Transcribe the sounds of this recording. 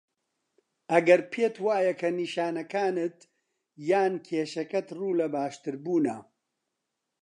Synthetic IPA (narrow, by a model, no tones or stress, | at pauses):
ɐɡɐɾpʰeːt̪waːjɐkʰɐniːʃaːnɐkaːnɨt̪ | jaːnkʰeːʃɐkɐt̪ruːlɐbaːʃt̪ɨɾbuːnɐ